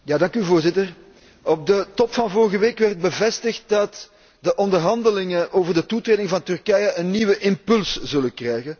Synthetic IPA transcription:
jaːdɑŋkyvoːrzɪtər | ɔb̚dətɔpfɑnvɔrɣəʋeːkʋɛrt̚bəvɛstəxt̚dɑt | dəʔɔndərɦɑndəlɪŋəʔoːvərdətutreːdɪŋvɑntɵrkɛjəʔənːiːʋəʔɪmpɵlszɵlənkrɛjɣən

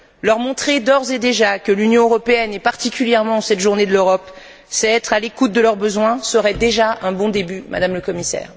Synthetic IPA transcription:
lœʁmɔ̃t̪χed̪ɔʁzed̪eʒakəlynjɔ̃øʁɔpeɛnɛpaʁt̪ikʲyljɛʁmɑ̃sɛt̪ʒuʁned̪əløʁɔp | sɛɛt̪χalekut̪̚d̪əlœʁbəzwɛ̃səʁɛd̪eʒaʔɛ̃bɔ̃d̪ebyma̰d̪amləkɔmisɛ̰ːʁ

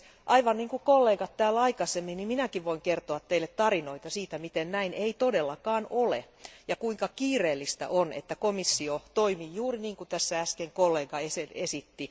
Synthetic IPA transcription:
ʔɑiʋɑnniːŋkukolːeːɡɑt̪tæːlɑikɑsemːinnimminækiʋʋoiŋkert̪oɑt̪teilːet̪tɑrinoit̪ɑsiːt̪æmit̪ennæineit̪odelːɑkɑːnolḛ | jɑkuiŋkɑkiːreːlːist̪æ̰ʔonḛt̪ːækomisːiot̪oimiːjuːriniːŋkut̪æsːææskeŋkolːeːɡɑeseesit̪ːi

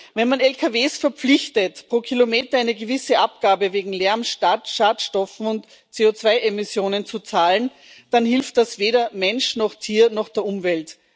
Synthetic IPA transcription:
vɛnmanɛlkʰaveːsfɛɐp͡flɪçtətpʁ̥oːkʰilomeːtɐaɪnəɡəvɪsəʔap̚ɡ̥aːbəveːɡŋ̩lɛɐmʃtatʃaːtʃtɔfn̩ʊnt | t͡seːot͡sv̥aɪʔemɪsjoːnənt͡sut͡saːln | d̥anɦɪlft̚d̥asv̥eːɾɐmɛnʃnɔχtʰiːɐnɔχd̥ɛːɐʊmvɛlt

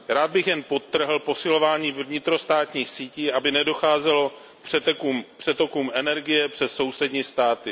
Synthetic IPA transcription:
ɾaːd̪̚bɪxjɛnpo̞t̪ːr̩ɦl̩po̞sɪlo̞vaːɲiːvvɲɪt̪ɾo̞st̪aːt̪ɲiːxsiːciːʔabɪnɛdo̞xaːzɛlo̞ | r̥ɛkumpr̝̥ɛt̪o̞kuːmʔɛnɛɾɡɪjɛpr̝̥ɛsso̞wsɛdɲiːst̪aːt̪ɪ

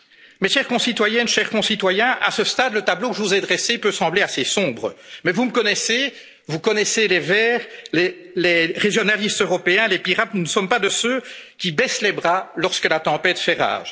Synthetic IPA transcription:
mɛʃɛːʁkɔ̃sit̪wajɛnʃɛʁkɔ̃sit̪wajɛ̃ʔa̰səst̪ad̪lət̪ablokəʒəvuzed̪ʁɛsepøsɑ̃bleasesɔ̃ːbʁəmɛvuməkɔnɛse | vukɔnɛselevɛːʁle | leʁeʒjɔnalist̪øʁɔpeɛ̃lepiʁat̪nunəsɔmpad̪əsøkʲibɛːslebʁalɔʁskəlat̪ɑ̃pɛːt̪fɛʁa̰ːʒ

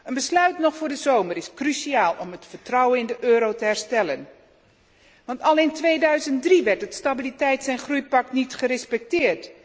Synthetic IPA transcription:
ənbəslœɥtnɔχfʊːɹdəzowməɾɪskrysiaːlˠɔmətfəɹtrɑwənɪndəʔøːɾowtəɦɛɹstɛlən | ʋɑntɑlɪntʋejdœɥzəntdriʋɛɹtɦətstabilitɛjtsɛjnχrujpɑk̚tnitχəɾɛspɛk̚tɪːɹt

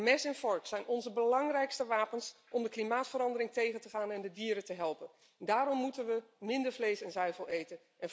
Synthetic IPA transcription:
mɛsɛnfɔɹksɛjnʔɔnzəbəlɑŋrɛjkstəʋaːpənsʔɔmdəklimaːtfəɾɑndəɾɪŋtejχəntəχaːnɛndədiːɾətəɦɛlˠpən | ndaːɾɔmːutənʋəmɪndəɹvlejsɛnzœɥvəlˠejtən | ɛn

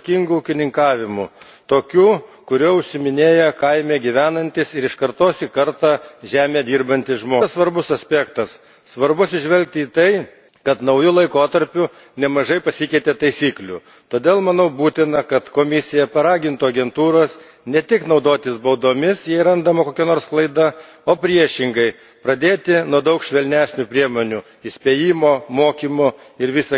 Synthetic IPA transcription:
kʲɪŋɡʊuːkʲɪnʲɪŋkɑːʋʲɪmʊ | t̪oːkʲuː | kʊɾʲoːʊʃʲsʲɪmʲɪnʲeːjɛkɐɪmʲeːɡʲiʋʲæːnɐnʲt̪ʲɪsɪɾɪʃkɐɾt̪oːsʲiːkɐɾt̪ɑːʒʲæːmʲeːd̪ʲiːrbɐnʲt̪ʲɪsʒmoːsʋɐɾbʊsɐsʲpʲæːkt̪ɐs | sʋɐɾbʊɐt̪sʲɪʒʲʋʲɛlʲk̚t̪ʲɪiːt̪ɐɪ | kɐt̪nɐʊjʊlˠɐɪkoːt̪ɐɾʲpʲʊ | nʲɛmɐʒɐɪpɐsʲɪkʲɛɪt̪ʲeːt̪ɐɪsʲiːklʲʊ̰ | t̪oːd̪ʲeːlˠmɐnɐʊbuːt̪ʲɪnɐkɐt̪koːmʲɪsʲɪjɛpɐɾɑːɡʲɪnt̪ʊɐɡʲɛnt̪uːɾoːs | nʲɛt̪ʲɪknɒʊd̪oːt̪ʲɪsbɐʊd̪oːmʲɪsjɛɪɾɐnd̪ɐmɐkoːkʲɛnoːɾsklˠɐɪd̪ɐ | oːpʲɾʲiɛʃʲɪŋɡɐɪ | pɾɐd̪ʲeːt̪ʲɪnuɔd̪ɐʊkʃʲʋʲɛlʲnʲæːsʲnʲʊpʲɾʲiɛmoːnʲʊ | ɪsʲpʲeːjiːmoːmoːkʲimʊ | ɪɾʋʲisɐ

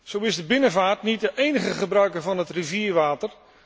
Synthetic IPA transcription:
z̥owɪzdəbɪnəvaːɹtnit̚dəʔejnəχəχəbrœɥkəɹvɑnɦətriviːɹʋaːtər

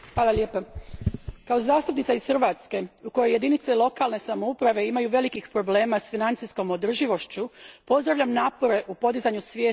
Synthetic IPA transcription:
xʋaːlaʎʲe̞ːpa | kao̞zaːst̪upnit̪saisxɾrʋaːt̪ske̞uko̞joje̞d̪init̪selˠo̞kalˠne̞samo̞upɾaʋe̞imajuʋe̞likixpɾo̞ble̞ːmasfinant̪sisko̞mo̞d̪r̩ʒiʋo̞ʃt͡ɕupo̞zd̪ɾaʋʎamnaːpo̞ɾe̞ʔupo̞d̪izaɲusʋjeː

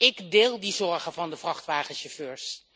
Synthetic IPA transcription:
ɪkdɪːlˠdizɔɹχəvɑndəfrɑχtʋaːχəʃɔføːɹs

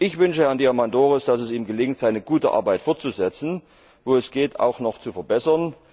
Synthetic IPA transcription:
ʔɪçv̥ʏnʃəhæɐndiːamandoːʁəsd̥asɛsiːmɡəlɪŋtz̥aɪnəɡuːtə̰ʔa̰ɐbaɪtfɔɐt̚t͡suzɛt͡sn̩ | voːɛsɡ̥eːtʰa̰ʊxnɔχt͡sufɛɐbɛsɐn

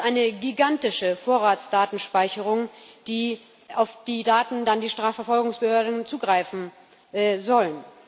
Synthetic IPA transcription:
ʔaɪnəɡiɡantɪʃəfoːɐʁaːtt͡sd̥aːtn̩ʃpaɪçəʁ̞ʊŋd̥iː | ʔaʊfd̥iːdaːtn̩dandiːʃtʁ̥aːfɛɐfɔlɡʊŋsb̥əhøːɐdn̩t͡suːɡʁaɪfn̩ | zɔlən

